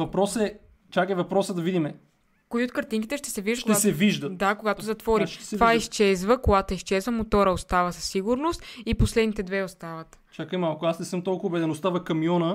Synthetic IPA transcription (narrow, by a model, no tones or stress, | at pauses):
vɐpɾɔsɛ | t͡ʃakɛvɐpɾɔsəd̪ɐvid̪imɛ | koiot̪̚kɐɾt̪iŋkit̪ɛʃt̪ɛ̥sɛviʒd̪ʃkt̪ɛasɛviʒd̪ət̪d̪d̪akoɡat̪ozɐt̪vɔɾit̪ovaiʃt͡ʃɛzvəkoɡat̪oiʃt͡ʃɛzvəmot̪ɔɾəost̪avəsɐ̥sːiɡʊɾnost̪iposlɛd̪nit̪ɛd̪vɛost̪avət̪t͡ʃakəjmalˠkʊasnɛsɤmt̪ɔlˠkʊːbɛd̪ɛnʊst̪avɐkɐmijɔnə